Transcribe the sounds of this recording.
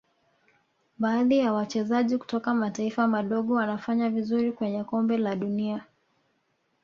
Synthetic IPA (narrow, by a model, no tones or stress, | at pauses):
ɓaːðijawat͡ʃɛzaʄiku̥tɔkamataifamaɗɔɠɔwanafaɲavizuɾikwɛɲɛkɔmbɛlaɗunia